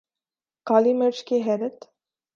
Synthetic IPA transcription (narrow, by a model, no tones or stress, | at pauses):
kaːliməɾt͡ʃkeɦɛːɾət̪